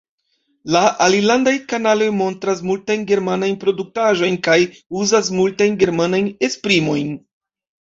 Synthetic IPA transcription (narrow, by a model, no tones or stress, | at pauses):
laʔalilandajkanalo̞jmo̞ntɾas̬multajnɡe̞ɾmanajnpɾo̞duk̚taʒo̞jnkaj | uzas̬multajnɡe̞ɾmanajne̞spɾimo̞jn